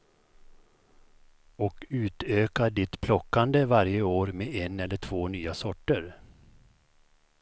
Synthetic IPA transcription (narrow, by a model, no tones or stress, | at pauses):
ɔkʉ̟ːt̪øːkaɖɪt̪pʰlɔkːand̪əvaɾjəoːɾmeːɛnɛlːəʈʰv̥oːnyːasɔʈːəɾ